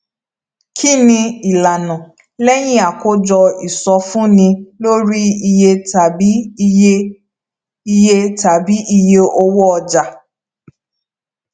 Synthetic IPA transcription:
kʰi˦nĩ˧i˨la˨nɔ̃˨ | lɛ˦j̃ĩ˦a˨ko˦d͡ʒɔ˧i˨sɔ˧fũ˦nĩ˧lo˦ɾi˦i˧je˧ta˨bi˨˦e˦ | i˧je˧ta˨bi˨˦ʔi˧je˧o˧wɔ˦ɔ˧d͡ʒa˧

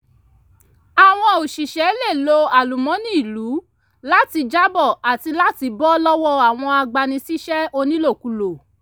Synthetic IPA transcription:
a˨w̃ɔ̃˧o˨ʃi˨ʃɛ˨˦le˦˨lo˧a˨lu˨mɔ̃˨˦nĩ˦i˨lu˨˦ | la˦ti˧d͡ʒa˦bɔ˦˨a˨ti˧la˦ti˧bɔ˦lɔ˦wɔ˦a˨w̃ɔ̃˧a˧ɡ͡ba˧nĩ˧si˦ʃɛ˦o˧nĩ˦lo˦˨ku˨˧lo˨

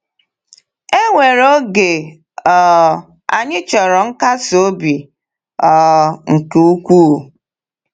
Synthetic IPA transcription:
e˦ŋʷe˨ɾo˦ɡe˨ | ɔ˨ | a˨ɲɪ˦t͡ʃɔ˨ɾɔ˨ŋ̩˦ka˦so˦bi˨ | ɔ˨ŋ̩˨ku˨˦u˦kʷu˦˨

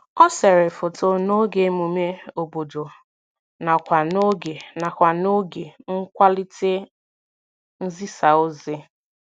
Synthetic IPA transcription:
ɔ˦se˨ɾɪ˨fʊ˨to˨no˦ɡe˨˦mu˨me˦o˨bo˨do˨ | na˨kʷa˨no˦ɡe˨na˨kʷa˨no˦ɡe˨ŋ̩˦kʷa˦li˦te˦ | n̩˦zi˦sa˨o˦zɪ˦

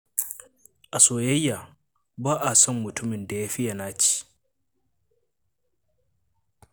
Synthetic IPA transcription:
ʔa˨soː˨jɐ˦jːa˨ | baː˦ʔa˨sɔ˦mːʊ˨tʊ˦mɪ˨nda˨jaː˦ɸɪ˦ja˨naː˦t͡ʃi̥˦˨

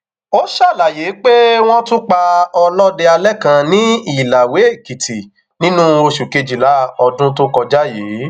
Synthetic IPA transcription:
o˦ʃa˦˨la˨je˨˦k͡pe˦w̃ɔ̃˦tũ˦k͡pa˧ɔ˧lɔ˦de˧a˧lɛ˦kã˧nĩ˦i˦˨la˨we˨˦˨ki˨tʰi˨ | nĩ˦nũ˦o˧ʃu˨ke˧d͡ʒi˨la˨˦˨ɔ˧dũ˦t̬o˦kɔ˧d͡ʒa˦je˨˦

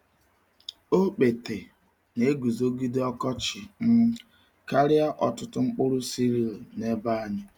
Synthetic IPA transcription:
o˦k͡pe˨te˨ | ne˨˦ɡu˨zo˦ɡi˦de˦ɔ˦kɔ˦t͡ʃɪ˨m̩˦ | ka˦ɾɪ˦a˦ʔɔ˨tʊ˦tʊ˦ŋ͡m̩˦k͡pʊ˦ɾʊ˦si˦ɾi˨a˨ne˦ba˦ɲɪ˦

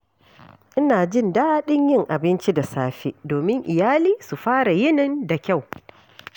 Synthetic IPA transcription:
ʔɪ˦naː˨d͡ʒɪ˦ndaː˦ɗɪ˦ɲjɪ˦˨ŋʔa˨bɪ˦nt͡ʃi˦da˨saː˦ɸḭ˦doː˨mɪ˦ŋʔɪ˨jaː˦liː˦su˨ɸaː˦ɽa˨jɪ˦nɪ˦nda˨kʲa˦˨w

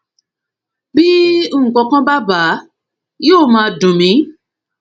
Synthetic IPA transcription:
bi˦o˦˨ŋ̩˨kɔ̃˧kã˦ba˦ba˨˦ | joː˦˨mãː˧˦˧dũ˨mĩ˨˦

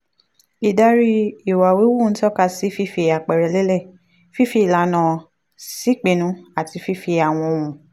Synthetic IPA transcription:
i˨da˧ɾi˧i˨wa˨we˨˦wu˦˨n̩˦tɔ˦ka˧si˨˦fi˦fi˧a˨k͡pɛ˨ɾɛ˨lɛ˦lɛ˦˨ | fi˦fi˧˨la˨˦nã˨ | si˦k͡pe˨nũ˨˦a˦˨ti˧fi˦fi˧a˨w̃ɔ̃˧o˧wũ˨

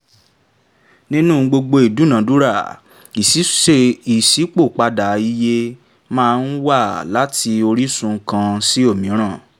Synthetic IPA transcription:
nĩ˦nũ˦˨ɡ͡bo˧ɡ͡bo˧i˨du˨˦nã˨˦du˦ɾa˦˨ | i˨si˨˦e˦˨i˨si˨˦k͡po˦˨k͡pa˧da˨i˧je˦˧ | mãː˦˧n̩˦wa˦˨la˨˦ti˧o˧ɾi˦sũ˧˦kã˧si˦o˦˨mĩ˨˦ɾ̃ã˦˨

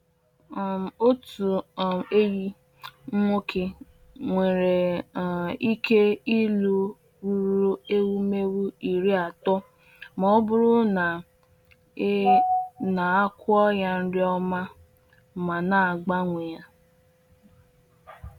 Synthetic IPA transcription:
o˦tu˨e˦ji˦ | ŋ̩˦ŋʷo˦ke˦ | ŋʷe˨ɾe˨ | i˦kʰe˦i˦lu˦ | ɾu˦ɾu˦e˦wu˦me˦wu˦i˨ɾi˦a˨tɔ˦ | mɔ˦bʊ˦ɾʊ˦na˨ | na˨a˦kʷʊ˦ɔ˦ja˦n̩˦dɪ˦ɔ˦ma˦ | ma˨na˨ɡ͡ba˦ŋʷe˨ja˦

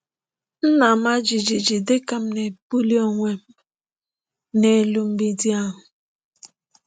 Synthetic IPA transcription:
n̩˦na˨ma˦d͡ʒi˨d͡ʒi˨d͡ʒi˨de˦ka˨m̩˦ne˨pu˦li˦o˨ŋʷe˦m̩˦ | ne˨˦lu˦m̩˦bi˦di˦a˦ɦʊ˨

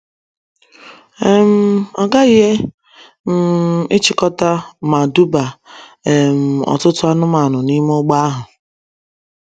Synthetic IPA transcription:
e˦m̩˦ɔ˨ɡa˦i˦ɦe˦ | m̩˨ɪ˦t͡ʃi˨kɔ˦ta˦ma˨du˦ba˨e˨m̩˨ɔ̰˨tʊ˦tʊ˦a˦nʊ˦ma˨nʊ˨ni˦mo˦ɡ͡ba˦a˦ɦʊ˨

